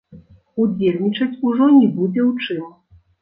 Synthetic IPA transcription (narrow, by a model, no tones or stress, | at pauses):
ud͡zʲelʲnʲit͡ʂɐt͡sʲuʐɔnʲɛbud͡zʲɛwt͡ʂɨm